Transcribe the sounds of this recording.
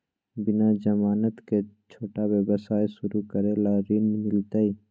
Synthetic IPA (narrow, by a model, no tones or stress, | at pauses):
bɪnad͡ʒəmaːnət̪ket͡ʃʰoːʈawjəbəsaːesʊɾukəɾelaɾiːnmɪlt̪ai